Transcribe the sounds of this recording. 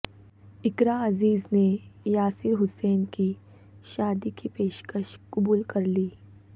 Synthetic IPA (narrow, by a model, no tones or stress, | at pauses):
ɪkɾaɐziːznejaːsɪɾɦʊsɛːnki | ʃaːd̪ikipeːʃkəʃkʊbuːlkɐɾliː